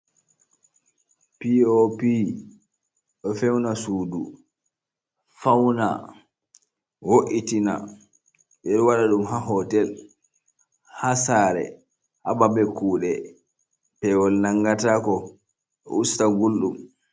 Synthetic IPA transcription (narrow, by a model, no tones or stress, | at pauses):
piopi | ɗɔfɛwnasuːdu | fawna̰ | woʔitina̰ | ɓɛɗwaɗaɗumɦaɦɔtɛl | hasaːɾɛ̰ | hababɛkuːɗɛ | pɛwɔlnaŋɡatakɔ | ɔ̰ustaɡulɗum